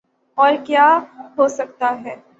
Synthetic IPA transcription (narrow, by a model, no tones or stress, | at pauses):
ɔːɾkjaːɦosɐk̚t̪aɦɛː